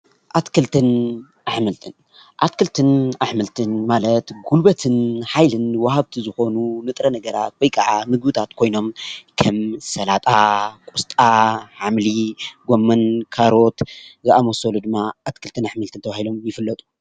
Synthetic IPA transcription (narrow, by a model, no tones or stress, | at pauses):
ʔat̪kʰɨlt̪ʰɨn | ʔaħmɨlt̪ʰɨn | ʔat̪kʰɨlt̪ʰɨnaħmɨlt̪ʰɨnmalɐt̪ɡulbɐt̪ʰɨnħajlɨnwahaβt̪ʰizɨxo̞nunɨt̪ʼɾɐnɐɡɐɾat̪̚wɔjkʰʼaʕamɨɡ̚bɨt̪ʰat̪kʰo̞jno̞mkʰɐmsɐlat̪ʼakʼust̪ʼaħamliɡomːɐnkʰaɾo̞t̪zɐʔamosolud̪ɨmːaat̪kʰɨlt̪ʰɨnaħmɨlt̪ʰɨnt̪ɐβahilo̞mjɪfɨlːɐt̪ʼu̥